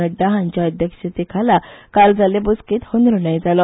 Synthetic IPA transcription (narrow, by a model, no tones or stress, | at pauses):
əɖːaɦãɲt͡ɕjaəd̪ʱjəkɕət̪ekʰalakald͡zalebuskiːt̪hond̪ɾunajd͡zalɔ